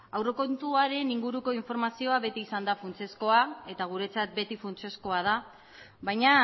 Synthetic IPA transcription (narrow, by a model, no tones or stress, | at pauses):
awro̞ko̞nt̪uaɾe̞niŋɡuɾuko̞iɱfo̞ɾmasio̞aβe̞t̪iːsand̪afunt͡se̞sko̞ae̞t̪aɣ̞uɾe̞t͡sat̪̚be̞t̪ifunt͡se̞sko̞að̞a | βajɲa